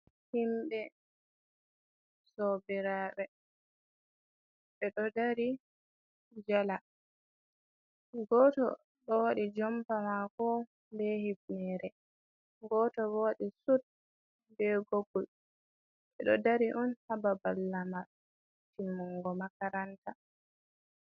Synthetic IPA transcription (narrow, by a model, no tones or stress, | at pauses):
himbɛ | sɔbiɾaɓɛ | ɓɛɗɔdaɾi | d͡ʒala | ɡɔtɔ̰ | ɗɔwaɗid͡ʒɔmpawakɔ | mbɛhibnɛːɾɛ | ɡɔːtɔwoɗisut̚ | bɛɡoɡul | ɓɛ̰ɗɔdaɾiʔɔnhababalːama | timːuŋɡɔmakaɾanta